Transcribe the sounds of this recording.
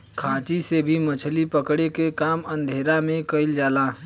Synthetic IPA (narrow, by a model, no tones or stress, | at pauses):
kʰãːt͡ʃisebʱimət͡ʃʰlipəkɽekekaːmə̃nd̪ʱeːɾamẽkəɪld͡ʒaːlaː